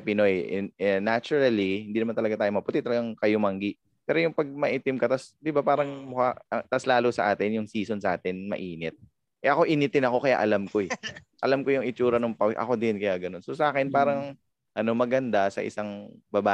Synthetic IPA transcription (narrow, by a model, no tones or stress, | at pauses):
pɪno̞jnat͡ʃʊɾɐlihɪnd̪iːnɐmant̪ɐlɐɡat̪aːjomɐpʊt̪ɛt̪ɐlɐɡaŋkɐjomɐŋɡiʔ | pɛːɾo̞jʊŋpɐɡ̚mɐʔit̪ɪmkɐt̪asd̪ɪbapaːɾɐŋmʊkaɐt̪aslaːlosɐ̰ʔaːt̪ɪnjʊŋsiːso̞nsɐʔaːt̪ɪnmɐ̰ʔiːnɛt̪̚ | ʔɛʔɐko̞ʔinɪt̪ɪnɐko̞kɐja̰ʔɐlamko̞ɛ | ʔɐlamkojʊŋɪt͡ʃuːɾɐnoŋpɐʔɐ̰ko̞d̪ɪnkɐjaɡɐnonsosɐʔaːkɛnpaːɾɐŋ | ʔɐno̞mɐɡɐnd̪asɐ̰ʔɪ̰saŋbɐbaː